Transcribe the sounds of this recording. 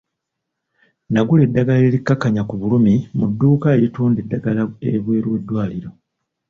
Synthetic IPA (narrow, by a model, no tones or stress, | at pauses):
naɡule̞dːaɡale̞likːakːaɲakuβulumimudːuːkaeɾituːnde̞dːaɡalaḛβwe̞ːɾwe̞dːwaːliɾo̞